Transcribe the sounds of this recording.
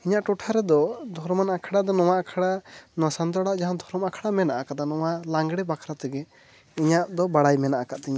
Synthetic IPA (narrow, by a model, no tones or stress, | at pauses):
iɲaʔʈɔʈʰaɾɛd̪ɔd̪ʱɔɾmanakʰaɽaʔd̪ɔnɔwaʔakʰaɽanasant̪̬ɔɽaʔd͡ʒaɦand̪ʱɔɾɔmakʰaɽamɛnaʔakat̪anɔwalaŋɡɽɛbakʰɾat̪ɛɡɛ | iɲaʔd̪ɔbaɽajmɛnaʔakaʔt̪ɛɲa